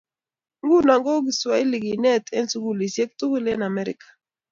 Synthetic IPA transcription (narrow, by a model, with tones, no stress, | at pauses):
ŋɡu˦na˨ŋɡɔ˦ɡi˨swa˨i˦li˨ɡi˨nɛ˦tɛ˦nsu˦ɡu˦li˨sjɛ˦k̚tu˦ku˦lɛ˦na˨mɛ˦ɾɪ̰˨kḁ˨